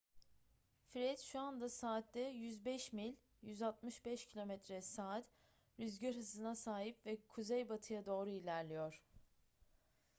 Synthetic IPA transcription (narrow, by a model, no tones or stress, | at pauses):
fɾɛt̪ʃuand̪asaːt̪lɛjyzbɛʃmilʲ | jyzalˠt̪̚mɯʃbɛʃcʰilʲo̞mɛt̪ɾɛsaːt̪ | ɾyzɟøɾɦɯzɯnasaːɦipvɛkʰuzejbat̪ʰɯjad̪o̞ːɾuilʲæɾlʲijo̞ɾ̥